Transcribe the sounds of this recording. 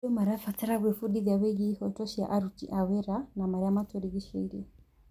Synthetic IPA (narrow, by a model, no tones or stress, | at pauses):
ɔmaɾafataɾaβɛfuɗiðawɛɡihɔtɔʃia̰ʔaɾut͡ʃḭʔawɛɾanamaɾamatɔɾiɣiʃɔ̰iɾɛ